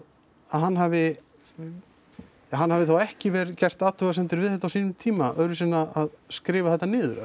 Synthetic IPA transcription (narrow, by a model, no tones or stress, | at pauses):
aðɦanːɦavɪ | aɦanːhavɪθawɛhcɪvɛːɾcɛr̥t̪aːt̪ʏɣasɛnt̪ɪɾvɪðθɛht̪ːawsiːnʏmt̪ʰiːmaʔœɾɪsɛnːaaðskɾɪːvaθɛht̪ːanɪːðʏɾœ̰